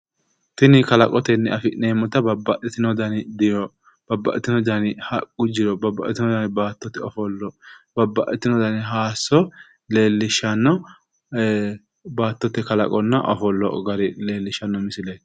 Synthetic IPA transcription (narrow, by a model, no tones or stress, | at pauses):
t̪ɪnɪkɐlɐkʼɔt̪ɛnːɛɐfɪneːmɔt̪ɐbɐbːɐʔɪt̪ɪnɔd̪ɐnɪd̪ɪjɔ | b̥ɐbːɐ̰ʔɛt̪ɪnɔd̪ɐnɪhɐkʼːʊd͡ʒɪɾɔbɐbːɐʔɛt̪ɪnɔd̪ɐnbaːt̪ːɔt̪ːɛɔfɔlːɔb̥ɐbːɐʔɛt̪ːɪnɔd̪ɐnɪɦaːsɔ | le̞ːlːɪʃːɐnːɔ | baːt̪ːɔt̪ːɛkɐlɐ̰kʼɔnːɐʔɔ̰fɔlːɔ̰ɡɐɾɪle̞ːlːɪʃɐnːɔmɪsɪleːt̪